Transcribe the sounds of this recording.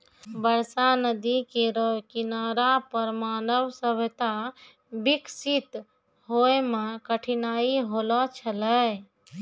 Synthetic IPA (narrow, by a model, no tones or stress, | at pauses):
bəɾsanəd̪ikeɾəkinaɾapəɾmanəbsəbʱet̪a | biksit̪ | ɦoemekəʈʰinaiɦolɔt͡ʃʰələj